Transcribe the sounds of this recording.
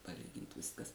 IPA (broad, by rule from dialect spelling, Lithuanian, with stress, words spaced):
pɐˈlʲiːɡʲɪnt ˈʋʲɪskɐs